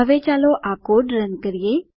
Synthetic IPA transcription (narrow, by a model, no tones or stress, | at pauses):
əʋet͡ʃaloʔakoɖɾənkəɾije